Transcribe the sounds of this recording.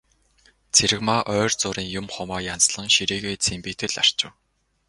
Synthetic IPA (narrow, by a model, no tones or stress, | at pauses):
t͡sʰeɾɘ̆ɣmaːʔœːrt͡sʊːɾiːŋjʊmχʊmaːjant͡sɮə̆ŋʃiɾiːɣeːt͡sʰempiːt̪ʰɘ̆ɮar̥t͡ɕɪ̆w